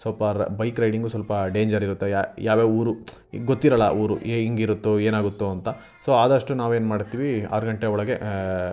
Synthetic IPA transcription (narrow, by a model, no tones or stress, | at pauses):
sɔːpaɾbɐjkɾɐjɖiŋɡusɐlpɐɖeːɲd͡ʒɐɾiɾut̪ːejajaːʋeuːɾu | ɡot̪ːiɾɐlːɐʔuːɾueiŋɡiɾut̪ːueːnaːɡut̪ːuɐnt̪ɐ | so̞ːaːd̪ɐʂʈunaːʋe̞ːnmaːɖt̪ːiːʋia̰ːɾuɡɐɳʈeɔɭɐɡe̞